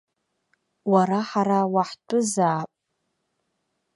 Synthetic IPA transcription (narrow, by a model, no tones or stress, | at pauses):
waɾaħaɾawaħtʰʼʊzaːpʼ